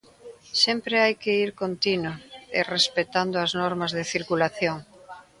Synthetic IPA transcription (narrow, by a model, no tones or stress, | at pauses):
sempɾeajkɪiɾkont̪inʊḛrespet̪and̪ʊɐznɔɾmɐzðɪθiɾkulaθjoŋ